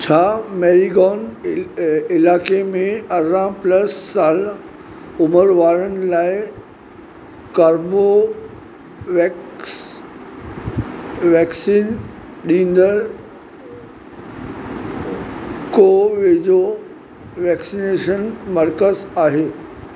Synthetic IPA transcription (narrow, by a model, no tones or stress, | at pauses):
t͡ɕʰaːmeːɾiɡɔːn | ɪlaːkemẽɐzãplɐsːaːl | ʊməɾʋaːɾənɪ̆laːɪ | kaːɾbo | ʋs | ʋɛːksiːn | ɗĩːnd̪əɾ | koːʋeːd͡ʑo | ʋɛːksineːʃənmɐɾkəzaːɦeː